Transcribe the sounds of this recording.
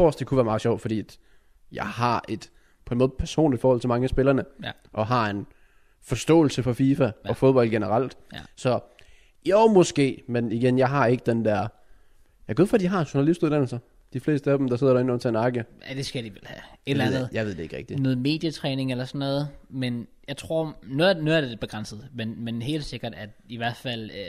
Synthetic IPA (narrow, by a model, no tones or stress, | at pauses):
ɒ̰sd̥ekʰuʋæːɐmɑ̈ð̩ˠɕɒʊ̰d̥fɒ̽d̥ḭːæd̥ | jɑ̈ɪɦɑ̈e̝d̥ | pʰɒ̽enmɔːð̩ˠpʰæɐso̝̰ːnlid̥fɒːɒ̽l̰t͡sʰe̝mɑ̈ŋəsb̥e̝lɐnə | ʔɒ̽ɦɑ̈e̝n | fɒ̽sd̥ɔ̰̽ːl̩səfɒ̽fiːfæɒ̽foðˠb̥ɒ̽l̰̥̚ɡ̥enəʁɑl̰d̥sɒ̽ | jomɒ̽sɡ̥e̝̰ːmeniɡ̥enjɑ̈ɪɦɑ̈e̝ɡ̥əd̥end̥æɐ̰ | jɑ̈ɡoðˠfɒd̥iɦɑ̈enɕuɐnælisd̥uðˠd̥æn̰l̩sɐ | d̥ifle̝̰ːsd̥əæd̥em̩d̥ɑ̈se̝ð̰ˠɐd̥ɾɑ̈enɔ̽nt͡sʰæenɑ̈ːɡ̥iəæd̥e̝sɡ̥æd̥iʋelhæed̥læ̰nð̩ˠjɑ̈ʋe̝d̥ee̝ɡ̥ʁɛɡ̥̚d̥inɔːð̩ˠme̝̰ːd̥jət͡sʰʁɛːne̝ŋelɐsɒnːɔ̽ːðˠmenjɑ̈ɪt͡sʰʁo̝ɐ̰nonuðˠɐd̥e̥e̝b̥e̝ɡ̥ʁɑn̰səð̩ˠmenmenɦe̝̰ːld̥se̝ɡ̥ɐd̥æd̥iʋæɐ̰d̥ˠfæl̰